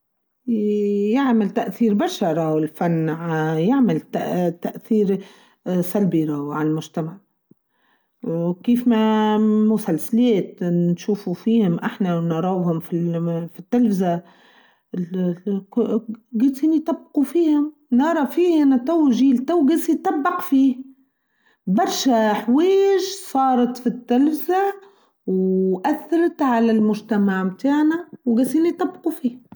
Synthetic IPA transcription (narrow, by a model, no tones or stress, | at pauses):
jɪʕmɪlt̪aʔθiːɾbaʃɑɾˤawɪlfanːʕajɪʕmalt̪at̪aʔθiːɾ | salbiɾawʕalmʊʒt̪amaʕ | wkiːfmamʊsalsaleːt̪nʃuːfufiːhʊmʔaħnawnɑɾˤɑwhʊmfifit̪ːɪlfɪza | ɡasiːnit̪ˤɑbːqufiːhʊm | nɑɾˤɑfiːʔʔanat̪ˤawʒiːlt̪awɡasit̪ˤɑbːɪqfiː | bɑɾˤʃaħweːʒsˤɑːɾˤɑt̪fit̪ːalfɪza | wʔaθːɑɾˤɑt̪ʕalalmʊʒt̪amaʕmt̪aːʕnawɡasiːnit̪ˤɑbːqufiːh